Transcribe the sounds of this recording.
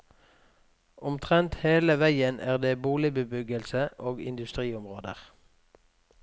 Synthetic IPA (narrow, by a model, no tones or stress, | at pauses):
ʊmt̪ʰʁɛnt̪heːləʋæɪənʔæːʁd̪eːbuːlɪbəbʏɡəlsəʔoːɡɪ̰nd̪ʉst̪ʁiːʊmʁoːd̪ə̰ʁ